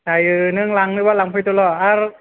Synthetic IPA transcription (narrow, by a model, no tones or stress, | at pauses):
tajɯnɯŋlaŋlɯbalaŋpʰɯjt̪ulɔaɾ